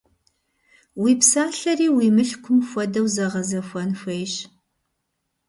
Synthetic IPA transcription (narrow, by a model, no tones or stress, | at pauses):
wiːpsaːɬɐriːwiːmɨɬkʷʰʊmxʷɔdɐwzɐʁɐzɐxʷɐnxʷejɕ